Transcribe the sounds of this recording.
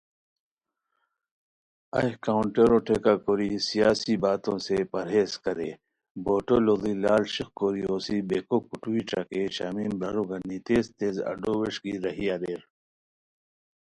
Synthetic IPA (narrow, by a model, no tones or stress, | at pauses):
ɐ̰kauɳʈeɾoʈʰeːkakoːɾisijaːsibaːt̪õːsepɐɾɦeːzkɐɾeː | boːʈoloːd̪ilaːlɕikkoːɾioːsibeːkokuʈuwiʈ͡ʂakeɕa̰ːmiːmbɐɾoɡɐnit̪eːzt̪eːzɐ̰ɖoːweʂɡiːɾɐɦijaːd̪eːɾ